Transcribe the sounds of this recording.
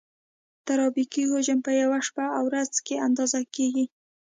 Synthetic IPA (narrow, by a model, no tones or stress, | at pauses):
t̪aɾɑbikiɦoʒəmpəjawaʃpaawɾazkeand̪ɑzakeɡi